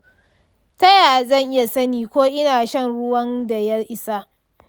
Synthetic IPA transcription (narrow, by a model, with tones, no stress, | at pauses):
tɐ˦jaː˨zɐ˦˨ŋʔɪ˦ja˨sɐ˦niː˨kʷoː˦ʔɪ˦naː˨ʃɐ˦˨nɽʊ˦wɐ˦nda˨jɐ˦rʔɪ˦sa˦ʔ